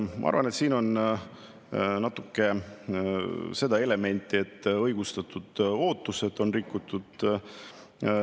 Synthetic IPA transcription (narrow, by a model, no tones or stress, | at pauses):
mɑ̰ɑ̰ɾvɑne̞t̪siːno̞n | nɑt̪ːˑukːe̞ | se̞d̪ɑe̞le̞me̞nʲt̪ːˑie̞t̪ːɤjɡ̥ust̪ɑt̪ːud̪̥oːt̪ːˑuse̞d̪̥o̞nrikːut̪ːud̪̥